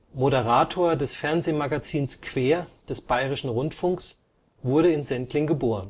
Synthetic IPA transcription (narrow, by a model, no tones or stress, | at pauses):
moɾəʁaːtʰoːɐdɛsfɛɐnzeːmaɡat͡siːnskv̥eːɐd̥ɛsb̥aɪʁ̞ɪʃn̩ʁʊntfʊŋks | v̥ʊɐɾəɪnzɛntlɪŋɡəboːʁ̞ən